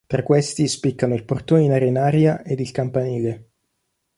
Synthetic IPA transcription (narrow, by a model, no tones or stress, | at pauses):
t̪ɾakːwest̪ispikːanoilport̪oneinaɾeinaːɾjaʔed̪ilkampaniːle